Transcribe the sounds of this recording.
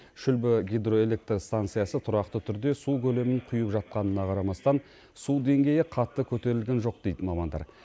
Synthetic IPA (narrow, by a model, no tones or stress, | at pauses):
ʃʏlbɪɡʲijd̪ro̞e̞lʲe̞k̚t̪rst̪ant̪sɨjɑsət̪ʰʊɾɑqt̪ət̪ʰʏɾd̪e̞sukʲʰɵle̞mɪɴqʰʊjəpʒɑt̪̚qɑnənɑqʰɑɾɑmɑst̪ɑn | sud̪e̞ŋɡʲe̞jɪqʰɑt̪ːəkʲʰɵt̪e̞ɾɪlɡʲe̞nʒo̞q̚d̪̥e̞jd̪ɪmɑmɑnd̪ɑ̰ɾ